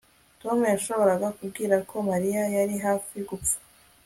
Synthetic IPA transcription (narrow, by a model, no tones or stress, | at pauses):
to̞mujaʃo̞βo̞ɾaɡakub̚ɡiːɾakʰo̞maɾijajaɾiɦaːfiɡup͡fḁ